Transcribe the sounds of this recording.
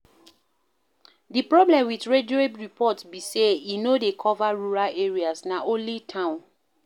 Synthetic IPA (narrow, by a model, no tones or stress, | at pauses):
dipɹɔblɛ̃mwitɹedoebɹipʰɔtsbiseinodekʰɔvaɹuɹalʔeɹiasnaõlitʰãʊ̃n